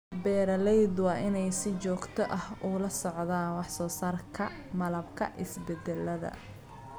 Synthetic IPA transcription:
bɛːɾɐlɛjd̪wɑːʔɪnɛjsɪt͡ʃɔːɡt̪ʰɔʔɐhʊlɐsɔʕðaːnwɑħsɔːsɐrkʰɐ | mɐlɐbkʰɐ̰ʔɪsbɛd̪ɛlːɐðɐ̰

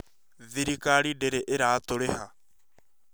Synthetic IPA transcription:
ðiɾikaɺidɛɾɛʔɪɾaːt̪oɾeha

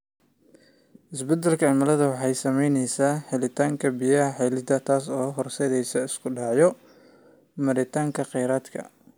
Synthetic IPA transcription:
ʔɪsbɛd̪ɛlkʰɐʕɪmɐlɐðɐwɑħɑjsɐmɛjnɛjsaːħɪlɪt̪ʰaːŋkʰɐbijɐħɛlɪd̪ɐt̪ʰaːs̬ɔːɦɔrsɛðɛjsɔɪskʰʊɖɑːʕjɔ | mɐɾɪt̪ʰaːŋkʰɐqɛjɾaːd̪kʰɐ̰

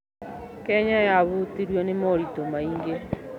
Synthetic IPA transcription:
kɛɲajaβutiɾwɛnemɔɾitomaiŋɡe

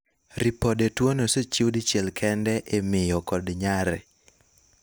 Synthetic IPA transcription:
ɾipodetwonosot͡ʃiwdit͡ʃɛlkʰɛndɛʔemɪjɔkɔdɲaɾɛ

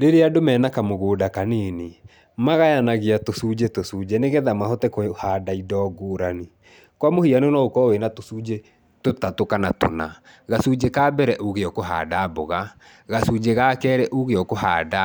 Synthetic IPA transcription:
ɾeɾeadomɛːnakamoɣoːdakaneːne | maɣajanaɣeatosuːd͡ʑetosuːd͡ʑeneɣɛðamahotɛkohadaidɔɡoːɾani | kwamohianenɔokɔwenatosuːd͡ʑe | totatokanato̰na | ɣasud͡ʑekaːbɛɾɛʔoɣeɔkoɦa̰dabo̰ɣa | ɣasud͡ʑeɣakɛːɾɛʔoɣeɔkoɦa̰ːda

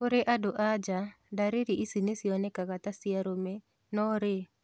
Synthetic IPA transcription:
koɾeʔadoʔad͡ʒa | daɾeɾiʔisinesiɔnɛkaɣat̪asiaɾome | nɔɾe

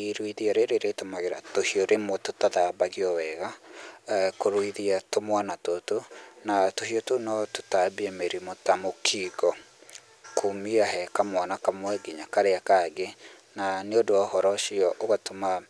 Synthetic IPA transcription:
iɾwiðiaɾeɾeɾetomaɣeɾa̰tohioɾʔemototaðabaɣiɔwɛɣa | koɾoiðiatomwanatotonatohiotonɔto̥tabiɛmeɾimotamokʰiɡɔ | kʰomiaɦɛkamwanakamwɛɡiɲakaɾeakaɡe | naneodoahɔɾɔʃiɔʔoɣatoma

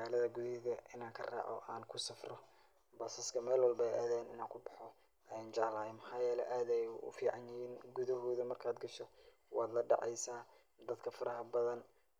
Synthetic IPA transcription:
maːlɐðɐɡuðɪɣɐʔɪnaːŋkʰɐra̰ːʕɔ̰aːnkʰʊsɐfrɔ | bɔːsɐskʰɐmɛːlwɑlbɛjʔa̰ːðɛːnɪnaːŋkʰʊbɑħɔ | ʔɛnt͡ʃaːlajmɐħɑːjɛːlɛʔaːd̪ɛjʊ̰fiːʕɑnjɪjiːnɡuðɐɦɔːðɐmɐrkʰaːd̪ɡɐʃɔ | wɑːd̪lɐɖɑ̰ʕɛ̰jsaː | d̪ɐd̪kʰɐfɐɾɐɦɐbɐðɐn

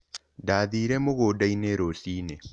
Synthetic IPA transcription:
daːðiɾɛmoɣodaineɾosiːne

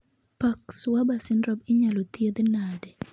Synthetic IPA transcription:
pakswabasɪnɾɔbɪɲalot̪jed̪nadɛ

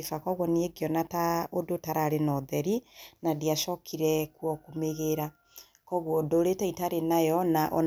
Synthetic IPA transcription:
fakɔɣwɔnieɡeɔnataodotaɾaɾenɔðɛɾinadiaʃɔkʰiɾɛkwɔkomeɣeɾa | kɔɣwɔdoɾetɛitaɾenajɔnaʔɔ̰

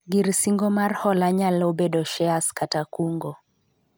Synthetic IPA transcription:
ɡiɾsiŋɡɔmarhɔlaɲalɔbɛdɔʃɛaskatakuŋɡɔ

